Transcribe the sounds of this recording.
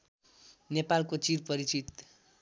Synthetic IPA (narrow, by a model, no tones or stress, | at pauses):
nepalkot͡sirpʌɾit͡sit̪